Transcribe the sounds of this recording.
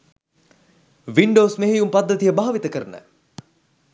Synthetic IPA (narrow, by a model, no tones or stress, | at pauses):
ʋiɳɖoːsmeɦejumpad̪ːət̪ijəbaɦaʋit̪əkəɾənə̰